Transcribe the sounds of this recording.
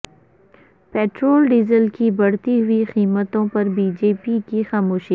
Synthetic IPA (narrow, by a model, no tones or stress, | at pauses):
peːʈɾoːlɖiːzəlkibɐɽ̤t̪iɦʊixiːmət̪õpɐɾbiːd͡ʒeːpikixaːmoːʃi